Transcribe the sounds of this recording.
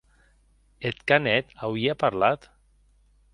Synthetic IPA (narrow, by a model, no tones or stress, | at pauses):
et̪kanɛt̪awiapaɾlat̪